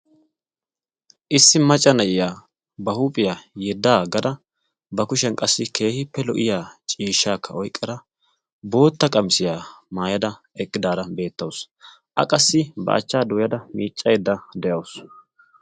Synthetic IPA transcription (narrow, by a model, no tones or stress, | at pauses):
ʔɪsːɪmɐt͡ʃʼːɐnɐjɪjaː | bɐhuːpʼɪjaːjɛd̪ːaːɡɐd̪ɐ | bɐkʊʃɛnkʼɐsːɪkʰe̞ːhɪpːɛlɔ̰ʔɪjaːt͡ʃʼiːʃːaːkʰːɐɔjkʼːɐɾɐ | bo̞ːt̪ːɐkʼɐmsɪjaːmaːjɐd̪ɐ | ɛkʼːɪd̪aːɾɐbe̞ːt̪ːɐws | ʔɐ̰kʼɐsːɪbɐ̰ʔɐ̰t͡ʃːaːd̪ʊjɐd̪ɐmiːt͡ʃʼːɐjɛd̪ːɐd̪ɛjɐws